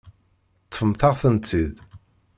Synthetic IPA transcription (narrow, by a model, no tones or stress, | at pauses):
t̪ˤːfəmθaʁθənt̪ːið